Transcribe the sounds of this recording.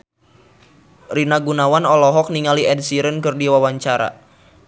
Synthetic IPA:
rinaɡunawanɔlɔɦɔk̚niŋaliɛd̚siɾənkɨrdiwawaɲt͡ʃaɾa̰

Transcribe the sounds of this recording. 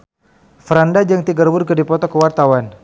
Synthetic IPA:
fɾandad͡ʒəŋt̪iɡərbʊrkədipɔt̪ɔkəwart̪awan

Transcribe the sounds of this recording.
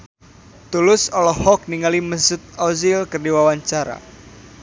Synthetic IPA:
t̪ulʊsɔlɔhɔk̚niŋaliməsʊt̪̚ɔzilkərdiwawaɲt͡ʃaɾa̰

